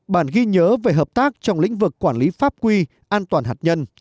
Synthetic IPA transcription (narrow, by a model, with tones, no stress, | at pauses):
ɓaː˧˩nɣi˧ɲəː˨˦ve˨˩ɦəː˨˩p̚t̪aː˦˥k̚t͡ɕɔ˧wŋ͡mlḭ˧˥ŋ̟vɨ˨˩kːwaː˧˩nli˨˦faː˦˥p̚kwi˧ | ʔaː˧nt̪waː˨˩nɦaː˨˩ɲə˧n